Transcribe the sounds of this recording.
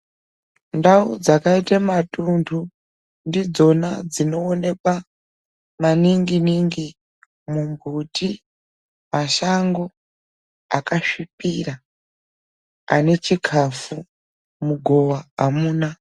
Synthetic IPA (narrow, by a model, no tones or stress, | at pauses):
ndaud͡zakaitamatuntʰu | ndid͡zo̞nad͡zino̞ːne̞kwa | maniŋɡiniŋɡi | mumbʱuti | maʃaŋɡo̞ | akaʃipira | a̰ne̞t͡ʃikʰafu | muɡʱo̞ʋaamuːna